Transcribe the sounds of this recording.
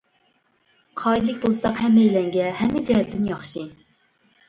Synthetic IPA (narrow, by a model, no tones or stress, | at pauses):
qʰɑːid̪lˠɪkʲbolˠsɑqhɛmːejlɛŋɡʲɛhɛmɪd͡ʒɛhɛt̪ʰːɪnjɑχʃi